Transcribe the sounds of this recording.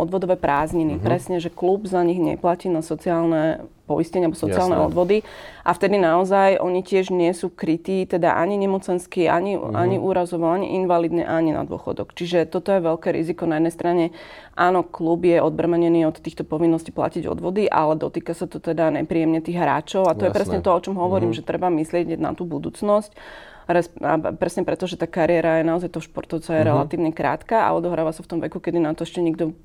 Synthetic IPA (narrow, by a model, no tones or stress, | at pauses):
ɔd̪ʋɔd̪ɔʋɛpɾaːzɲinipɾɛsɲɛʒɛklubzaɲiɣɲɛ̰placiːnasɔt͡siaːlnɛ | pɔiscɛɲɛalbɔsɔt͡siaːlnɛ̰ɔd̪ʋɔd̪iʔaft̪ɛd̪inaɔzajʔɔɲicɪɛʒɲɪɛsuːkɾit̪iːt̪ɛd̪a̰ʔaɲiɲɛmɔt͡sɛnskiʔa̰ɲiʔa̰ɲiʔuːɾazɔʋɔaɲḭʔinʋalid̪nɛ̰ʔaɲina̰d̪ʊɔ̰xɔ̰d̪ɔ̰kt͡ʃiʒɛt̪ɔt̪ɔjɛʋɛʎkɛːɾḭzikɔnajɛd̪nɛjst̪ɾaɲɛʔaːnɔklubjɛʔɔd̪̚bɾramɛɲɛniɔt̪t̪ːiːxt̪ɔpɔʋinːɔscipla̰ciɟɔ̰d̪ʋɔd̪iʔa̰lɛd̪ɔt̪iːkasat̪ɔt̪ɛd̪aɲɛ̰pɾiːɛmɲɛt̪iːɣɦɾa̰ːt͡ʃɔʊat̪ɔjɛpɾɛsɲɛt̪ɔɔt͡ʃɔmɦɔʋɔɾiːmʒɛt̪ɾɛbamislɪɛɟna̰t̪uːbud̪uːt͡snɔsc | ɾɛsa̰pɾɛsɲɛpɾɛt̪ɔʒɛt̪aːkaɾiɛɾajɛnaɔzajt̪ɔɦɔʃpɔ̰ɾt̪ɔʊt͡sɔjɛɾɛlat̪iːʊɲɛkɾa̰ːt̪kaːa̰ɔd̪ɔɦɾaːʋasaft̪ɔmʋɛ̰kukɛd̪inat̪ɔɛʃcɛɲiɡd̪ɔ